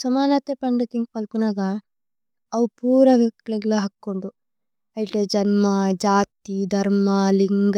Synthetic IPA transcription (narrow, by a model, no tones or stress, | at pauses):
sɐmaːnɐt̪ːeːpɐɳɖɐt̪iŋɡpɐlkunaːɡa | ɐʋupuːɾɐʋɐkleɡloːɦɐkːuɳɖu | ɐjʈeːd͡ʒɐnmɐd͡ʒaːt̪id̪ʱɐɾmɐliŋɡ